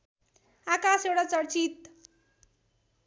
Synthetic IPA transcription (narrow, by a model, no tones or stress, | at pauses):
akasewʈat͡sʌɽt͡sit̪